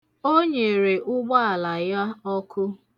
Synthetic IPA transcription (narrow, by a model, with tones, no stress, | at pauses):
o˦ɲe˨ɾe˨ʔʊ˦ɡ͡ba˦a˨la˨ja˦ɔ˦kʰʊ˦